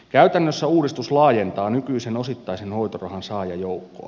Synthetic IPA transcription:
kæyt̪ænːøsːæuːdist̪uslɑːjent̪ɑːnykyisenosit̪ːɑisenhoit̪orɑhɑnsɑːjɑjoukːo̰ː

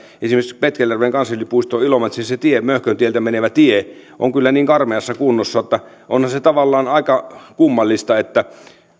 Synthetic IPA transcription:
esimespet̪kælːærʋeːŋkɑnsːɑlʲːipuist̪oːilomet̪siset̪iemøhkønt̪ielt̪æmeneʋæt̪ie | ʔo̰ŋkylːæniːŋkɑrmeɑsːɑkunːosːɑot̪ːɑ | ʔonhɑnset̪ɑʋɑlːɑːnɑˑikɑkumːɑlːist̪ɑet̪ːæ

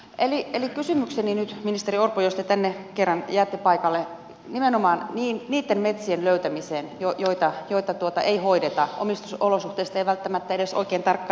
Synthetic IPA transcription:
elielikkysymykseninyt̪minist̪eriorpojost̪et̪ænːekerːɑnjæːt̪ːepɑikɑlːe | nimenomɑːnniːnniːt̪ːenmet̪sienløyt̪æmiseːnjojoit̪ɑjoit̪ɑt̪uot̪ɑ̰ʔeihoidet̪ɑʔo̰mist̪usolosuht̪eˑist̪ɑeiʋælt̪ːæmæt̪ːæedeso̰ikeːnt̪ɑrkːɑː

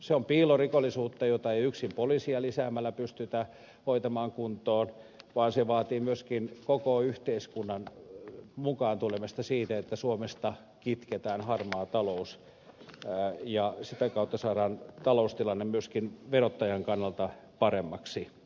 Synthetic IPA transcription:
seompiːlorikolːˑisuːt̪ːɑjot̪ɑeiyksimpolisiɑlisæːmːælːæpyst̪yt̪æ | hoit̪ɑmɑːŋkunt̪oːnʋɑːnseʋɑːt̪iːmyøskinkokoyht̪eiskunːɑn | mukɑːnt̪ulemest̪ɑsiːt̪æet̪ːæsuomest̪ɑ | kit̪ket̪æːnhɑrmɑːt̪ɑlous | jɑsit̪ækɑut̪ːɑsɑːɾɑːnt̪ɑloust̪ilɑnːemmyøskinʋerot̪ːɑjɑŋkɑnːɑlt̪ɑpɑremːɑksi

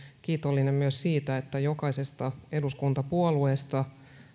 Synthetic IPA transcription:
kiːt̪olːinemmyøssiːt̪æet̪ːæjokɑisest̪ɑeduskunt̪ɑpuolueːst̪ɑ

